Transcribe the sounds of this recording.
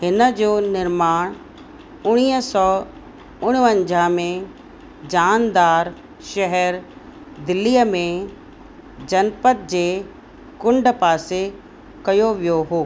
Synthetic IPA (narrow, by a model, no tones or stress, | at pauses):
hɪnə̆d͡ʑoːnɪɾmaːɽ̃ | ʊɽ̃iːɦəsɔː | ʊɽ̃ʋə̃ɲd͡ʑʱamẽ | d͡ʑaːnd̪aːɾ | ʃɛɦɛɾ | d̪ɪlːiːəmẽ | d͡ʑɐnpət̪̚d͡ʑeː | kʊ̃ɳɖpaːse | kɐjoʋijoɦoː